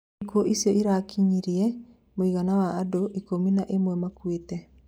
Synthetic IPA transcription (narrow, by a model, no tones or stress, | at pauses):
koʔisiɔʔiɾakʰiɲiɾiɛ | moiɣanawaːdoʔikominaʔemwɛmakwetɛ